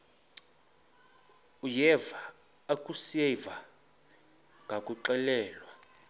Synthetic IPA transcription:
ujɛva | akʼusiɛva | ŋɡʱakʼuǁɛlɛːlwa

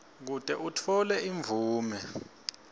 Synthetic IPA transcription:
k̬utʼɛʔutʰɔlɛʔiɱvʱuːmɛ

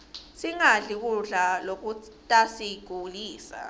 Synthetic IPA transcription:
siŋaɮik̬uɮalok̬u | tʼasiɡ̥ʱuliːsa̰

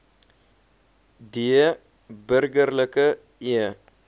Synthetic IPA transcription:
d̪iə | bəɾɡəɾləkə | jə

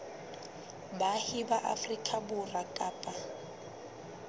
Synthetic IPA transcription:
bahɪbaʔa̰frikʼabʊrakʼaːpʼa

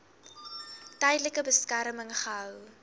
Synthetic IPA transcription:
tɛjdləkəbəskæɾməŋχəɦœw

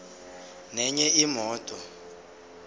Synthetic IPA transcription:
nɛɲɛimɔːtʼɔ

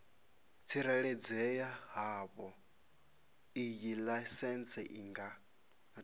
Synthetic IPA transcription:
t͡sʰiɾɛɺɛd͡zɛjaɦaːβɔ | ijilasɛnt͡sʰɛʔiŋɡa

